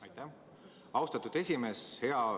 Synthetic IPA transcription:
ɑjt̪ːæ | ɑwst̪ɑt̪ud̪̥e̞sʲime̞she̞ɑ

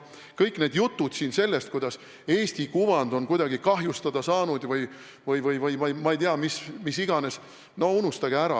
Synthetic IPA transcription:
kɤjkːne̞ːd̪jut̪ːud̪̥siːnse̞lːe̞st̪̚kujd̪̥ɑs | e̞ːst̪ikuvɑnd̪̥o̞nkujd̪ɑɡikɑɦjust̪ɑd̪ɑsɑːnud̪̥vɯj | vɤjvɤjvɤjmɑjmɑejt̪iɑmismisiɡ̥ɑne̞s | nounust̪ɑɡ̥eæɾɑ̰

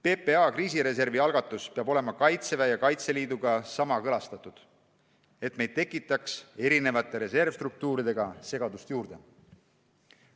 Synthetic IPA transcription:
pe̞peɑkriːsiɾe̞s̬e̞rviɑlɡ̥ɑt̪ːˑuspeɑbo̞le̞mɑkɑjt̪sevæjɑkɑjt̪se̞liːd̪uɡ̥ɑsɑmɑkɤlɑst̪ɑt̪ˑud̪̥ | e̞t̪me̞jd̪̥̚t̪e̞kːˑit̪ːˑɑkse̞ɾine̞vɑt̪ːˑe̞ɾe̞se̞rvst̪ruk̚t̪uːɾid̪e̞ɡ̥ɑse̞ɡ̥ɑd̪̥ust̪juːɾd̪̥e̞

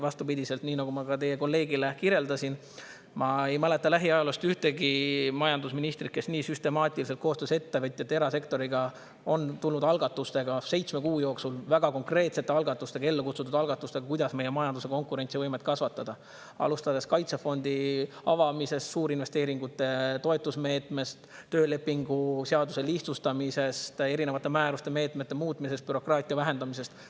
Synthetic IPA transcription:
vɑst̪upid̪ʲise̞lt̪niːnɑɡ̥umɑkɑt̪e̞jeko̞lːe̞ːɡile̞kiɾe̞ld̪ɑsin | mɑe̞jmæle̞t̪ːˑɑlæɦiɑjɑlust̪yht̪e̞ɡimɑjɑnd̪usminist̪rit̪̚ke̞sniːsyst̪e̞mɑːt̪ʲˑiliselt̪̚ko̞ːst̪øːse̞t̪ːevɤt̪ʲːˑiet̪ːˑe̞ɾɑse̞kt̪o̞ɾiɡ̥ɑ | ont̪ulnːud̪ɑlɡ̥ɑt̪ːˑust̪e̞ɡ̥ɑse̞jt̪sme̞kuːjo̞ːksulvæɡ̥ɑko̞ŋkre̞ːt̪se̞t̪ːeɑlɡɑt̪ːˑust̪e̞ɡɑe̞lːekut̪sut̪ːud̪ɑlɡ̥ɑt̪ːˑust̪e̞ɡ̥ɑkujd̪̥ɑsme̞jemɑjɑnd̪use̞ko̞ŋkuɾe̞nt̪sivɤjmet̪̚ˑkɑsvɑt̪ːˑɑd̪̥ɑ | ɑ̰lust̪ɑd̪̥e̞skɑjt̪sefo̞nd̪iɑ̰vɑmise̞st̪suːɾinve̞st̪e̞ːɾiŋɡut̪ːˑe̞t̪o̞et̪ːˑusme̞ːt̪ˑme̞st̪ːø̞ːle̞pːˑiŋɡ̥useɑd̪use̞liht̪sust̪ɑmise̞st̪e̞ɾine̞vɑt̪ːˑe̞mæːɾust̪e̞me̞ːt̪ˑmet̪ːe̞muːt̪ˑmise̞st̪̚pyɾo̞krɑːt̪ʲˑiɑvæɦe̞nd̪ɑmise̞st̪

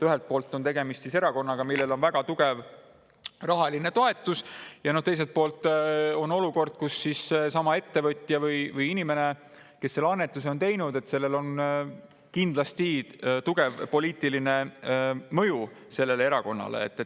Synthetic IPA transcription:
t̪øɦe̞lt̪̚po̞ːlt̪ːˑo̞nt̪e̞ɡ̥e̞mist̪sise̞ɾɑko̞nːɑɡ̥ɑmilːe̞lo̞nvæɡ̥ɑt̪uɡe̞v | rɑɦɑline̞t̪o̞e̞t̪ːˑusjɑno̞ht̪e̞js̬e̞lt̪̚po̞ːlt̪ːˑo̞no̞luko̞rd̪̥̚kusːisːesɑmɑe̞t̪ːe̞vɤt̪ʲˑjɑvɯjvɯjinime̞ne̞ | ke̞sːe̞lɑnːe̞t̪ːˑuseo̞nt̪e̞jnud̪̥e̞t̪ːse̞lːe̞lo̞n | kind̪̥lɑst̪it̪uɡ̥e̞vpo̞liːt̪iline̞ | mɤju | se̞lːe̞lee̞ɾɑko̞nːɑ̰lḛḛt̪ːˑe

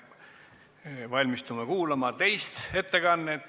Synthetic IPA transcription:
vɑlʲmist̪umɑkuːlɑmɑt̪e̞jst̪e̞t̪ːe̞kɑnːet̪ː

